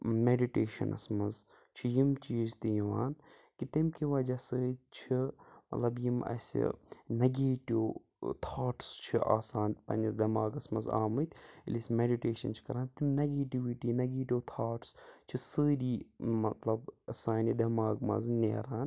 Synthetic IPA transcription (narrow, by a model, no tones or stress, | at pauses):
meɖiʈeːʃɐ̰nʔɐ̰smɐz | t͡ʃʰijimt͡ʃiːzt̪ijiʋaːn | kit̪imkiʋɐd͡ʒasɨːt̪̚t͡ʃʰimɐ̰t̪lɐbjimɐ̰sʲḭnɐɡeːʈiw | t̪ʰaːʈst͡ʃʰiʔa̰ːsaːnt̪ʲpɐ̰nisd̪ɐmaːɡɐsmɐza̰ːmɨt̪ʲʰḭlisʲmeɖiʈeːʃɐ̰nt͡ʃʰi̥kɐɾaːnt̪imnɐɡeːʈiʋiʈiːnɐɡeːʈiwt̪ʰaːʈst͡ʃʰisəːɾiːmɐt̪lɐbɐsaːnid̪ɐmaːɡmɐ̰znḛːɾaːn